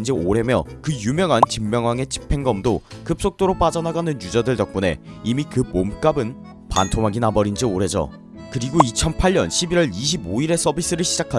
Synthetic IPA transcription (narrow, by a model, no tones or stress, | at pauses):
d͡ʑioɾe̞mjʌkɯjumjʌŋɦant͡ɕimːjʌŋwaŋe̞t͡ɕʰi̥pʰe̞ŋɡʌmdokɯp̚s͈ok̚t͈oɾop͈ad͡ʑʌnaɡanɯnjud͡ʑadɯɭd͡ʑʌk̚p͈une̞̰imikɯmomk͈abɯn | pa̰ntʰoŋɦaɡinabʌɾind͡ʑioɾe̞d͡ʑo̰ | kɯɾiɡoit͡ɕʰʌnpʰaɭɲʌnɕʰibiɾwʌɾiɕʰiboiɾe̞s͈ʌbis͈ɯɾɯɭɕʰid͡ʑakʰa